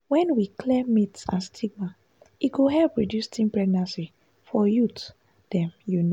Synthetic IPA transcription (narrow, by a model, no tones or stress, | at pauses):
wɛ̃nwikʰlɛmitsã̰nstʰiɡ̚ma | iɡoɦɛlpːɹodjustʰĩmpɹɛɡ̚nãsi | fɔjut | d̥ɛ̃mjun